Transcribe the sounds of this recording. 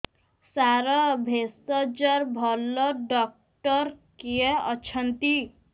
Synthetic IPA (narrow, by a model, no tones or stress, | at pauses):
saɾʌbʱest̪ɔd͡ʒʌɾbʱɔlːɔɖɔk̚ | ʈʌɾkieʌt͡ʃʰʌnt̪i